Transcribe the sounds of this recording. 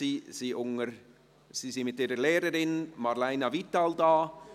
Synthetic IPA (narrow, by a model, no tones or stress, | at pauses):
iːsiːʔʊŋəɾ | siːsɪnmɪtiːɾəlɛːɾəɾɪnmaɾlaɪnavitaldaː